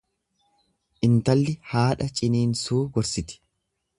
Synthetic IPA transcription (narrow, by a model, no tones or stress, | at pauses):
ʔɪnt̪ɐlːɪhaːᶑɐt͡ʃʼɪniːnsuːɡɔɾsɪt̪ɪ̥